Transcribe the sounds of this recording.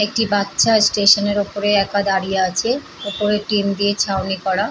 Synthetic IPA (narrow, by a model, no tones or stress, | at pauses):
ek̚ʈibatːʃʰasʈeʃoneɾopoɾeɛkad̪aɾijaat͡ɕʰe | opoɾeʈimd̪iet͡ɕʰawnikɔɽa